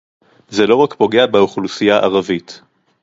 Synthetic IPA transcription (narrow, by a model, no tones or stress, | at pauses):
zelo̞ʁakpo̞ɡe̞abeuχlusijaʔaʁavit̪